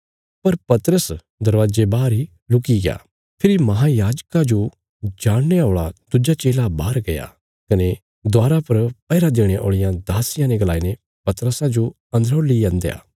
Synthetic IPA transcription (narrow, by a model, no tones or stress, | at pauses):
pɐɾpɐt̪ɾəs | d̪ɐɾʋaːd͡ʒebaːɾi | lʊkiɡeja̰ː | pʰɪɾimɐɦajaːd͡ʒkãd͡ʒo | d͡ʒaːɽ̃neoːɭa̰d̪̥ʊd͡ʒat͡ʃeːlabaːɾɡɐja̰ | kɐne | d̪waːɾapɐɾpɐːɪɾad̪eːɽ̃eʔo̰ːɭɪjãd̪aːsɪjãneɡɐlaːine | pɐt̪ɾəsãd͡ʒo | ɐ̃nd̪əɾoːlijãːnd̪eja̰ː